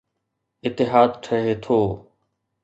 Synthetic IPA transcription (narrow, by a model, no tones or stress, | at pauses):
ɪt̪ːɪɦaːd̪̚ʈʰəɦeːt̪ʰoː